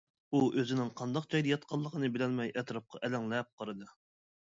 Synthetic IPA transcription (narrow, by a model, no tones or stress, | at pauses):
uʔøzɪnɪŋqʰɑnd̪ɑq̚d͡ʒɑjd̪ɑjɑt̪̚qʰɑlˠːəqʰənɨbɪlɛnmɛjʔɛt̪ɾɑp̚qʰɑ̰ʔɛlɛŋlɛp̚qʰəɾɨd̪ɨ